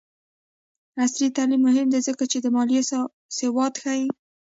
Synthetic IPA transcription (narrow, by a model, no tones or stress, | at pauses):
aslit̪ɑlimːʊɦɪmd̪ezəkat͡ʃed̪əmɑlje | sewɑd̪xaji